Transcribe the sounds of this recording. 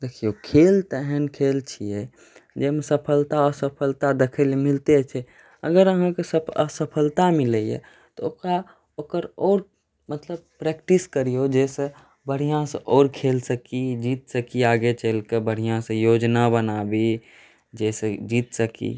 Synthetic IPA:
d̪ekʰiokʰelt̪əɦɛnkʰelt͡ʃʰiɛ | d͡ʒemesəpʰəlt̪aɔsəpʰəlt̪ad̪ekʰəlemilt̪et͡ʃʰɛ | əɡəɾəɦãkesəəsəpʰəlt̪amiləjḛ | t̪ɔoka | okəɾɔːɾ | mət̪ləb̚pɾɛkʈiskəɾijod͡ʒesẽ | bəɽ̤ijãsẽʔɔːɾkʰelsəkid͡ʒit̪səkiaɡet͡ʃəlkebəɽ̤ijãsə̃jod͡ʒnabənabi | d͡ʒesed͡ʒit̪səkḭ

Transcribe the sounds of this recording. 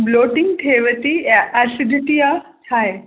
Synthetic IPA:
bloːʈɪ̃ŋɡʈʰeːʋət̪iʔɛsɪd̪ɪʈiat̪ʰaːɦe

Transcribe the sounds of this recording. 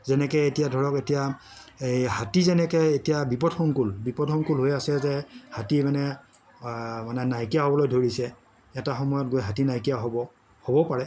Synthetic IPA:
zɛnɛkɛetijadʱɔɹɔketija | ejhatizɛnɛkɛetijabipɔdxɔŋkulbipɔdxɔŋkulɦojasɛzɛhatimanɛ | manɛnajkijaɦɔbɔlojdʱoɹisɛ | ɛtaxɔmɔjɔtɡojɦatinajkijaɦɔbɔ | hobɔpaɹɛ

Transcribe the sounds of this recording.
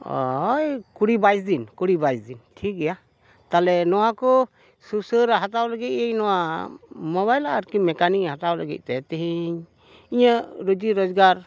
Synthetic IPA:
ɔ̰jkuɽibajinkuɽibajzintʰik̚ɡɛja | t̪alɛnɔwakɔ | susəɾaɦat̪awləɡit̪̚ejnɔwamɔβajlaəɾkimɛkanihat̪awləɡḭt̪̚ˀt̪ɛt̪iɦiɲ | iɲaɾud͡ʒiɾɔd͡ʒɡaɾ

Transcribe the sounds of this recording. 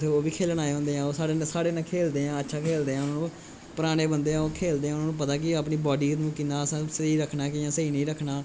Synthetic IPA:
t̪ʰeːoːbiːkʰeːlnaːeɦõːnd̪eːɦãːoːsaːɽeːnːsaːɽeːnãːkʰeːld̪eːãːətːʃʰaːkʰeːld̪eːãːʊnãːnũː | pəɾaːneːbənd̪eːãːoːkʰeːld̪eːãːʊnaːnũːpət̪aːk̬ɪaːpniːbɔːɖiːnũːkind̪aːsãːsəiːɾəkʰnaːkɪjãːsəiːnĩːɾəkʰnaː

